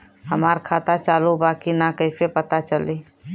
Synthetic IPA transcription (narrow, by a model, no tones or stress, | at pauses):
ɦəmaɾkʰaːt̪at͡ʃaːlubaːkinakəɪsepət̪at͡ʃəli